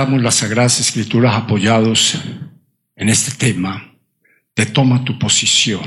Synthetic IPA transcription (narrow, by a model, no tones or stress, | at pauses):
amozlasːaɣɾaðase̞skɾit̪uɾasapo̞ʝaðo̞s | e̞ne̞st̪e̞̥t̪e̞ma | t̪e̞t̪o̞mat̪upo̞sisjo̞